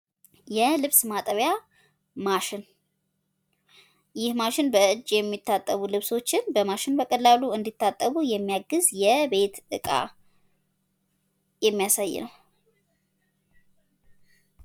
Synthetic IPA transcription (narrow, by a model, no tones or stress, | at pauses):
jɛlɨβsmat̪ʼəβja | maʃɪn | jɪhmaʃɪnbəɨd͡ʒjɛmːit̪ʰːat̪ʼːəβulɨβso̞t͡ʃːɪnbəmaʃɪnbəkʼəlːaluɨnd̪it̪ʰːat̪ʼːəβujɛmːijaɡɨzjɛbe̞t̪ɨkʼa̰ | jɛmːijasajːɪ̰nəw